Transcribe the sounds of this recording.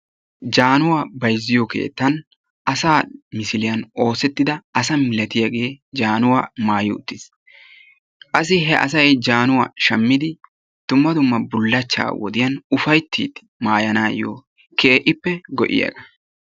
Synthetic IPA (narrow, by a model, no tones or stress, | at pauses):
d͡ʒaːnʊwaːbɐjzːɪjɔke̞̰ːt̪ːɐn | ʔɐsaːmɪsɪlɪjɐno̞ːsɛt̪ːɪd̪ɐɐsɐmɪlɐt̪ɪjɐɡe̞ːd͡ʒaːnʊwaːmaːjʊʊ̰t̪ːɪs | kʼɐs̬ːɪɦɛʔɐ̰sɐjd͡ʒaːnʊwa̰ːʃɐmːɪd̪ɪ | d̪̥ʊmːɐd̪ʊmːɐbʊlːɐt͡ʃːa̰ːwɔ̰d̪ɪjɐnʊfɐjt̪ʰːḭːt̪ | maːjɐnaːjo̰ː | kʰe̞ːʔɪpːɛɡɔ̰ʔɪ̰jɐ̰ɡɐ